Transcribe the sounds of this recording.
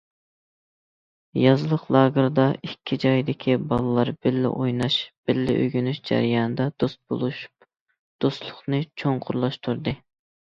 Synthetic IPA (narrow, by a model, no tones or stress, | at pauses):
jɑzɨlˠəqlˠɑːɡəɾd̪ɑikʲʰːid͡ʒɑjd̪ɪkʲʰibɑlˠɨlˠɑɾbɪlːɪ̰ʔojnɑʃb̥ɪlːɪ̰ʔø̰ɡʲynyʃd͡ʒæ̰ɾɪjɑnɨd̪ɑd̪ost̪̚bo̰lˠuʃp | d̪̥ost̪lˠʊχnɨt͡ʃʰoŋqʰʊɾlˠɑʃt̪ʰuɾd̪ɨ